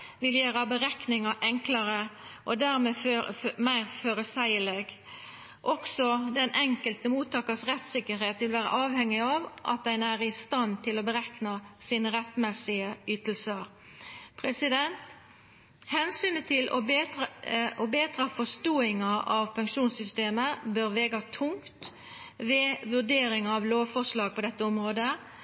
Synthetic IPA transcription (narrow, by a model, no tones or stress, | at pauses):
ʋɪljøːɾəbəʁɛknɪŋɑʔɛŋklɑɾəʔɔd̪æʁmeːmæɪʁføːɾəsæɪəlɛɡ | ʔɔksɔd̪ɛnʔɛŋkəlt̪əmuːt̪ɑːkəsʁɛt̪sɪkːəɾheːt̪ʋɪlʋæːɾə̰ʔɑːʋhɛŋːɪɑʋʔɑ̰t̪̚d̪æɪnæʁɪst̪ɑnt̪ʰɪlɔbəʁɛknɑsiːnəʁɛt̪ːmɛsɪəyːt̪əlsəɾ | pʰɾɛsɪd̪ɛnt̪ | hɛnsyːnət̪ʰɪlʔɔ̰ | ɔbeːt̪ɾɑfɔʂt̪uːɪŋɑʔɑʋpʉŋkʂuːnsʏst̪eːməbøːʁʋeːɡɑt̪ʰʊŋkkt̪ | ʋɛːʋʉʁd̪eːɾɪŋɑɑʋloːʋfɔʂlɑːɡ̚pɔd̪ɛt̪ːəɔmʁoːd̪ə